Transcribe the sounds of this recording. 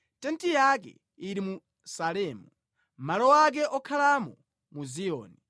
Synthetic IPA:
tɛntijak̬ɛ̰ | iɾimu | salɛːmu | malɔwak̬ɛʔɔkʰalamɔ | muzijɔ̰ːni

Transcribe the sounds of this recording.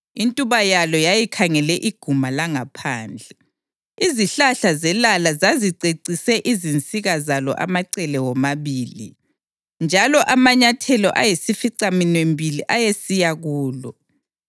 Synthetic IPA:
intʼuβajalɔjajikʰaŋɛlɛʔiɡ̥ʱumalaŋapʰaːnd͡ɮʱɛ | iziɬaɬazɛlalazaziǀeǀisɛʔizint͡sʼiɣazalɔ̰ʔa̰maǀɛlɛwɔmaβiːlḭ | nd͡ʒʱalɔʔamaɲatʰɛlɔ̰ʔajesifiǀaminwembʱiliʔajesijaɣuːlɔ

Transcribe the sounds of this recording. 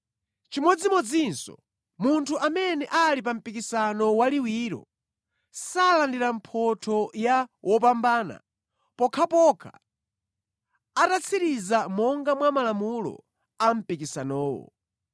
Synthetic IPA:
t͡ʃimɔd͡zimɔd͡zinsɔ̰ | muntʰuʔamɛnɛʔalip̬am̩pikisanɔwaliwiːɾɔ̰ | salandiɾam̩pʰɔtʰɔjawʔɔp̬ambaːna̰ | pɔkʰapɔkʰa̰ | atat͡sʰiɾizamɔŋɡamwamalamulɔ̰ | am̩pikisanɔːwɔ̰

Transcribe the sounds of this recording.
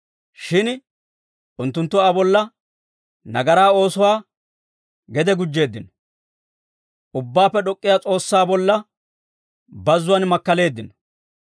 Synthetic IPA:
ʃɪn | ʔʊnt̪ːʊnt̪ːʊaːbɔlːɐ | nɐɡɐɾaːo̞ːsʊwaː | ɡɛd̪ɛɡʊd͡ʒːe̞ːd̪ːɪnɔ̥ | ʊbːaːpːɛɗɔkʼːɪjaːt͡sʼo̞ːsːaːbɔlːɐ | bɐzːʊwanmɐkːɐle̞ːd̪ːɪnɔ̥

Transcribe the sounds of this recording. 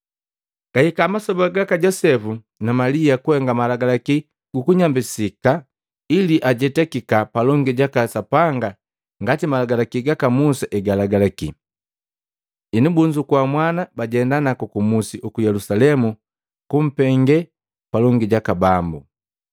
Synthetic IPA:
ɡ̥ahikamasɔbaɡakaɟɔsɛfu | namaliakuhɛŋɡamalaɡalaki | ɡukuɲambisika | iliʔaɟɛtɛkikapalɔŋɡiɟakasapaŋɡa | ŋɡatimalaɡalakiɡakamusaʔɛɡalaɡalakḭ | inubuɲd͡ʒukwamwanabaɟɛndanakukumusiʔukujɛlusalɛmu | kum̩pɛŋɡɛ | palɔŋɡiɟakabambu

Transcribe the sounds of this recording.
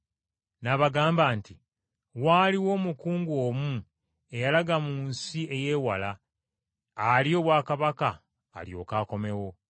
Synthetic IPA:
naβaɡaːmbaːnti | waːliwo̞ːmukuːŋɡoːmu | e̞jalaɡamuːnsie̞je̞ːwalaː | ljo̞ːβwaːkaβaka̰ː | ljo̞̰ːkaːko̞me̞wo̞

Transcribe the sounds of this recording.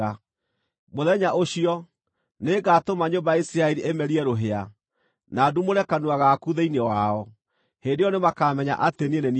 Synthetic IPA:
a | moðɛɲaʔoɕiɔ | neɡatomaɲombajaisiɾaɛɾiʔemɛɾiɛɾoɦea | nadumoɾɛkanuaɣakuðeinewaɔ | heːndejɔnemakamɛɲa̰ʔatenenen

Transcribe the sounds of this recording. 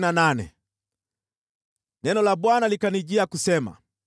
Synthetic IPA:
nananɛ̰ | nɛnɔlaɓwanalikaniʄiakusɛma̰

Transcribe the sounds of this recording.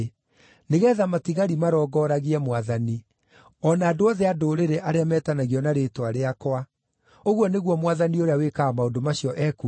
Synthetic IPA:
neɣɛðamatiɣaɾimaɾɔɡɔɾaɣiɛmwaðani | ɔnaːdoɔðeadoːɾeɾeʔaɾeamɛːtanaɣiɔnaɾetwaɾeakwa | oɣwɔneɣwɔmwaðanioɾeawekaamaondomaɕiɔʔɛku

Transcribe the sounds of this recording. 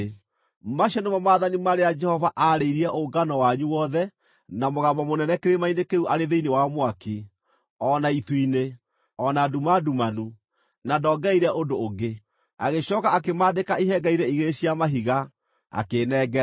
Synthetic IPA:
maʃɔnemɔmaːðanimaɾejad͡ʒɛhɔvaʔaɾeiɾiɛʔoɡanɔwaɲuwɔðɛ | namoɣamɔmonɛnɛkeɾemainekeuʔaɾeðeinewamwake | ɔnaituine | ɔnadumadumanu | nadɔːɡɛiɾɛʔodoːɡe | a̰ɣeɕɔːkaakemaːdekaiɦɛɡaiɾɛiɣeɾeɕiamaɦiɣa | a̰kenɛɡɛ

